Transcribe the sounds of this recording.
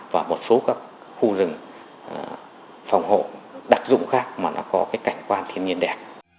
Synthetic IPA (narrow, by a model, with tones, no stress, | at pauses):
vaː˨˩mo˨˩t̚so˨˦kaː˦˥k̚ | xu˧zɨ˨˩ŋ˨˩ | fa˨˩wŋ͡mho̰˧˨ɗaː˦˥˩k̚zʊ̰˧˨ŋ͡mxaː˦˥k̚maː˨˩nɔ̰˨˦kɔ˨˦kaː˨˦jka˧˩jŋ̟kwaː˧nt̪ʰi˧ənɲi˧ənɗɛ˨˩p̚